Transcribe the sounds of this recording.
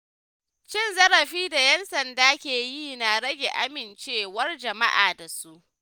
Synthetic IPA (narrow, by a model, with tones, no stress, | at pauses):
t͡ʃɪ˦˨nzɐ˦ɾɐ˨ɸiː˦da˨jɛ˦nsɐ˨ndaː˦kʲeː˨jiː˦˨na˨ɾɐ˦ɡʲe˨ʔa˦mɪ˨nt͡ʃeː˦wɐ˦rd͡ʒɐ˨ma˦ʔa̰ː˨da˨su˦ʔ